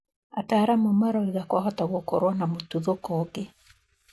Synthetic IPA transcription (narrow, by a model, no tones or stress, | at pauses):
ataɾamomaɾɔiɣakwahɔtaɣoko̰ɾwanamotuðokoke